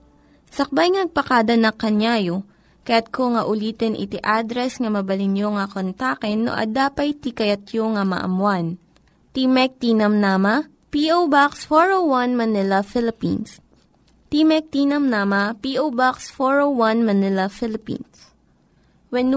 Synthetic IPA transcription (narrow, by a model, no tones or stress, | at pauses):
sɐk̚bajŋnɐɡ̚pɐkaːd̪ɐnɐkɐnaːjo | kɐjat̪̚koŋɐʔʊliːt̪ɛnʔɪ̰t̪iʔad̪ɾɛsŋɐmɐbɐlɪnjoŋɐkont̪akɛnːo̰ʔɐ̰d̪aːpɐjt̪ikɐjɐt̪joŋɐmɐ̰ʔɐ̰mwan | t̪imɛk̚t̪iːnɐmnamɐ | piʔowbaksfoɹowwɐnmɐnɪlɐfɪlɪpḭns | t̪imɛk̚t̪iːnɐmnamɐpiʔowbaksfoɹowwɐnmɐnɪlɐfɪlɪpḭns | wɛn